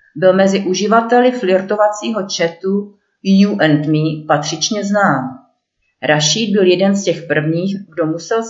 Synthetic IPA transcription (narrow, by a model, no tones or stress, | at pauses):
bɪlmɛzɪʔuʒɪvat̪ɛlɪflɪɾt̪ovat͡siːɦo̞t͡ʃɛt̪u | juʔɛnt̪mipat̪r̝̥ɪt͡ʃɲɛznaːm | ɾaʃiːd̪̚bɪljɛdɛnscɛxpr̩vɲiːxɡdo̞musɛl